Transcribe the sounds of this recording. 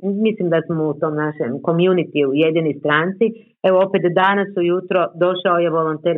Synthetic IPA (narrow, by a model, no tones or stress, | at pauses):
mislimd̪asmout̪o̞ːmnaʃḛmko̞mjunit̪iujed̪inojst̪ɾaːnt̪si | e̞ʋoopet̪d̪anasujut̪ɾo̞d̪o̞ʃaoje̞ʋo̞lo̞nt̪eːɾ